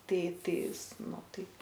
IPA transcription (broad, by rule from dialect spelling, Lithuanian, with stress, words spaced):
ˈtɐɪ ˈtɐɪs ˈnʊ ˈtɐɪp